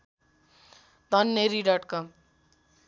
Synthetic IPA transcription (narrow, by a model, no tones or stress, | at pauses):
d̪ʱʌnːeɾiɖʌʈkʌm